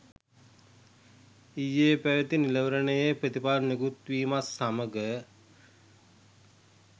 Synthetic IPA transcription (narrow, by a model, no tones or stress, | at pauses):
ijːeːpæʋit̪iniləʋəɾənəjepət̪ipaɾneɡut̪ʋiːmasːaməɡə